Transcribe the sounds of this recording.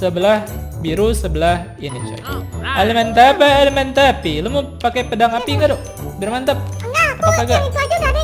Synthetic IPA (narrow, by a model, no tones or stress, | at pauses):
səbəlahbiɾusəbəlah | init͡ʃa̰aləmɛnt̪apaːlimɛnt̪apiləmupakapədaŋapiŋɡadoʔ | bərmant̪ap̚appakaɡa